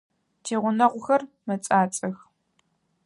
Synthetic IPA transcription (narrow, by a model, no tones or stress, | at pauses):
tʰeːʁʷʊnɐʁʷʊxɐr | mɐt͡sʼaːt͡sʼɐx